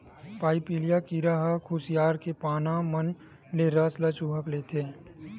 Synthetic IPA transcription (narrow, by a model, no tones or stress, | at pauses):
paːɪpiːlijakiɾaɦəkʰʊsijaːɾkepaːnamən | leɾəslət͡ʃuːɦəklet̪ʰeː